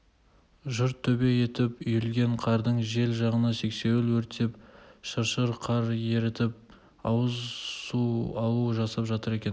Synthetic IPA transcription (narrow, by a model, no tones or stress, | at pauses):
ʒʊɾt̪ʰːɵbe̞je̞t̪ɪpʏjɪlɡʲe̞ɴqʰɑɾd̪əɴʒe̞lʒɑʁənəse̞kse̞wɪlwɵɾt̪e̞pʃəɾʃəɾqʰɑɾje̞ɾɪt̪ɪp̚ | ɑwəzsuɑlˠuəʒɑsɑpʒɑt̪əɾe̞kʲe̞n